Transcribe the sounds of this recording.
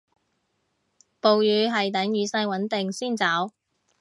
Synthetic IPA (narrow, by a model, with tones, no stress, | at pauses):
po˨wjyː˨˧ɦɐ˨jt̪̬ɐ˨˥ŋjyː˨˧sɐ˥jwɐ˨˥nt̪ɪ˨ŋsiː˥˩nt͡saː˨˥w